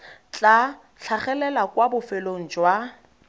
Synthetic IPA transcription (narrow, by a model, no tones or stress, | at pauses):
t͡ɬʼa | ɬʰaχɛlɛlakwabʊfɪloŋ̩d͡ʒwa